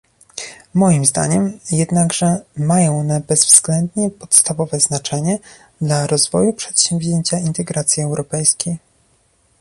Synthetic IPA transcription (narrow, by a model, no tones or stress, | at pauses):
mɔjimzd̪a̰ɲɛmjɛd̪naɡʐɛmajɔ̃w̃ɔnɛbɛzvz̥ɡlɛnd̪ɲɛpɔt̪st̪avɔvɛznat͡ʂɛɲɛ | d̪laɾɔzvɔjupʂɛ̥t̪ɕɛ̃mvʲʑeɲt͡ɕaint̪ɛɡɾat̪sʲjiɛwɾʔɔpɛjskʲej